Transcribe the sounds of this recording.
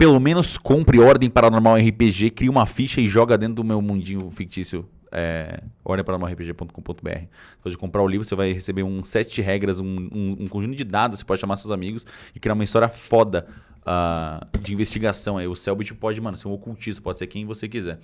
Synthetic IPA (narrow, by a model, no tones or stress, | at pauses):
pelomẽnʊskõmpɾɪɔɾd̪ẽj̃paɾɐnoɾmawɛɦipeʒekɾiɐũmɐfiʃɐɪʒɔɡɐd̪ẽnt̪ɾʊd̪ʊmewmũnd͡ʒĩɲʊfik̚t͡ʃisjʊ | ɛ̰ɔ̰ɾd̪ẽpaɾɐnoɾmawɛhɪpeʒepõt̪ʊ̥kõpõt̪ʊbḛɛ̰hɪ | sse̥pɔd͡ʒɪkõpɾaɾʊlivɾʊsevajhesebeũsɛt͡ʃɪɦɛɡɾɐzũũũkõʒũt̪ʊd͡ʒɪd̪ad̪ʊse̥pɔd͡ʒɪʃamaɾsewzamiɡʊsɪkɾiaɾ̃mɐist̪ɔɾiɐfɔd̪ɐ | ad͡ʒɪĩvest͡ʃiɡasɐ̃w̃aiʊsɛwbɪt͡ʃɪpɔd͡ʒɪmɐ̃nseũokuwt͡ʃisʊ̥pɔd͡ʒɪseɾkẽj̃vosek̬izɛɾ